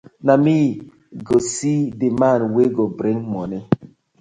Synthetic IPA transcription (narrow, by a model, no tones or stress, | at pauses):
nami | ɡosidimanweɡobɾeŋmɔni